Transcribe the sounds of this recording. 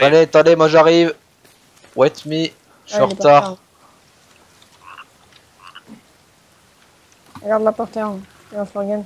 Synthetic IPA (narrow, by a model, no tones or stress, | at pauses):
aleat̪ɑ̃d̪emwaʒaʁiv | wɛt̪mi | syʁt̪aːʁ | ʁəɡaʁd̪lapɔʁt̪eɑ̃eɑ̃sɔʁɡɛn